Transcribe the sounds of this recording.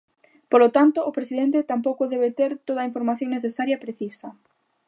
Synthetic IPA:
polot̪ant̪ʊʔːpɾesið̞ent̪et̪ampowkʊðɛβet̪eɾt̪oð̞ɐiɱfoɾmaθjõŋneθesaɾjɐpɾeθisɐ

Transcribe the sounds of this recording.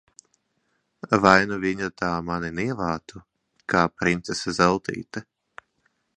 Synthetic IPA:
vajnuviɲat̪aːmaniniɛvaːt̪u | kʰaːpɾint̪sesazɛlˠt̪ḭːt̪ɛ

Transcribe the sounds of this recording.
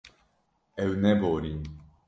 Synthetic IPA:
ɛwnɛboɾi

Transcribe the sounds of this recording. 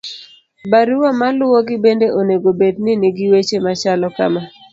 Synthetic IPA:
baɾiwɔmalʊɔɡɪbendeʔoneɡobednɪnɪɡɪwet͡ʃemat͡ʃalɔka̰ma

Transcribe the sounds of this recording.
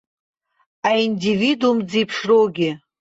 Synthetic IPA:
aindividumd͡zipʰʂroɡʲɪ

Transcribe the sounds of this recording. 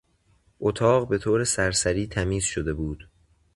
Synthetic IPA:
ʔot̪ʰɒːɢbe̞t̪ʰoːɾe̞sæɾsæɾiːt̪ʰæmiːz̥ʃod̪e̞buːd̪̥

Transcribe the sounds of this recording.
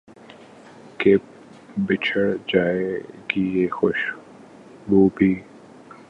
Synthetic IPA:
ke | bɪt͡ʃʰəɽd͡ʒaːeɡiexʊʃ | boːbʱiː

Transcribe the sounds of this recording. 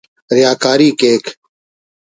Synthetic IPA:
ɾɪjaːkaːɾiːkeːkʰ

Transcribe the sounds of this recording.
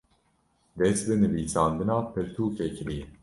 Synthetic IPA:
d̪ɛsb̪ɨnɨviːsɑːnd̪ɨnɑːpʰɨɾt̪ʰuːkʰɛkʰliː

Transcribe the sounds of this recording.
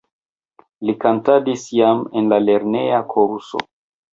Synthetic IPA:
likantadisjamenlale̞ɾne̞akʰoɾuso̰

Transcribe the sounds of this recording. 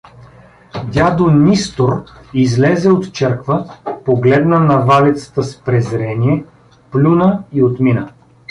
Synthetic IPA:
d̪ʲad̪onʲist̪oɾizlɛzɛot̪t͡ʃɛɾkvəpoɡlɛd̪nənɐvalɛt̪sə̥t̪əspɾɛzɾɛniɛ | plʲunəiot̪minə

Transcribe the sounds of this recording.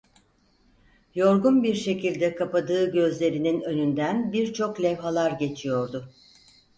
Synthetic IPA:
jo̞ɾɡunbiɾʃe̞cilʲd̪ɛkʰapad̪ɯːɟø̞zlʲe̞ɾininø̞nynd̪ænbiɾt͡ʃʰo̞klʲɛvɦalˠaɾɟe̞t͡ʃʰijo̞ɾd̪ʊ

